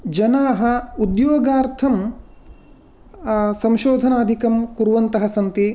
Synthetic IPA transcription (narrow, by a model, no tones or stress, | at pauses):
d͡ʒɐnaːɦɐ̆ud̪joːɡaːɾt̪ʰɐm | sɐ̃mʃoːd̪ʱɐnaːd̪ʱikɐmkuɾʋɐnt̪ɐɦɐsɐnt̪i